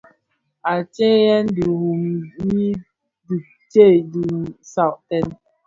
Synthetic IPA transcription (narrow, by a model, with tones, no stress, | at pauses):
a˨t͡ʃe˦jɛ˦ndi˨hu˨mji˦ | di˨ | t͡ʃe˦˨di˨sa˦˨wʔtɛ˦n